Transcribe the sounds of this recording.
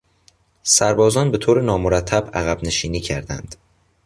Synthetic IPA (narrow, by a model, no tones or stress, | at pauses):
sæɾbɒːzɒːnbe̞t̪ʰoːɾenɒːmoɾæt̪ʰːæbæɣæbne̞ʃiːniːcʰæɾd̪æ̰nd̪̥